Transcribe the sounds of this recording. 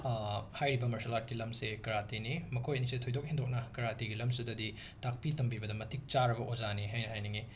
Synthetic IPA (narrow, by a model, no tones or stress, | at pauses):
hajɾibɐmɐɾselat̚kilɐmsekɐɾatinimɐkʰojɐniksetʰojdok̚hendok̚nɐkɐɾatiɡilɐmsudɐdi | tak̚pitɐmbibɐdɐmɐtik̚t͡ʃaɾɐbɐʔozaniɦajnɐɦajnɐŋi